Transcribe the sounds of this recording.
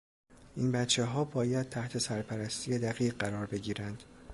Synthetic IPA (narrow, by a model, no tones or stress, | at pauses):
ʔiːnbæt̪t͡ʃʰːe̞ɦɒːbɒːjæd̪̥̚t̪ʰæht̪ʰe̞sæɾpʰæɾæst̪ʰiːjed̪æɣiːʁɢæɾɒːɾbe̞ɟiːɾænd̪̥